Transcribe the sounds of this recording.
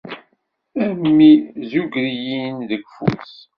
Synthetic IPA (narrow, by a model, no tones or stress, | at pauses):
æɾmːizuɡɾijinðəɡfṵs